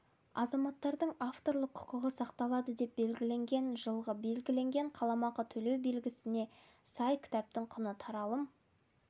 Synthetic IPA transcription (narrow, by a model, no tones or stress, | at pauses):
ɑzɑmɑt̪ːɑɾd̪əɴaft̪o̞ɾlˠəqʰːʊ̥qəʁəsɑqt̪ɑlˠɑd̪əd̪e̞p̚be̞lɡʲɪle̞ŋɡʲe̞nʒəlˠʁəbe̞lɡʲɪle̞ŋɡʲe̞ɴqʰɑlˠɑmɑqət̪ʰɵle̞wbe̞lɡʲɪsɪne̞ | sɑjkʲʰɪ̥t̪æp̚t̪ɪɴqʰʊnət̪ʰɑɾɑlˠəm